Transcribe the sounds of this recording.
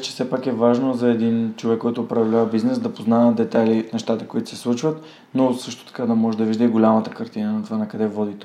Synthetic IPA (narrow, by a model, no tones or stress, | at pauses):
t͡ʃɛ̥fsɛpakɛvaʒnozɐɛd̪int͡ʃovɛkːɔjt̪oʊːpɾɐvlʲavəbiznɛsd̪ɐpoznaɛd̪ɛt̪ajlinɛʃt̪at̪əkoit̪ʊ̥sɛ̥slˠut͡ʃvət̪ | nosɤʃt̪o̥t̪ɐ̥kad̪ɐmɔʒɛd̪ɐviʒd̪əiɡolʲamət̪əkɐɾt̪inənɐt̪ovanɐkɐd̪ɛvɔd̪it̪o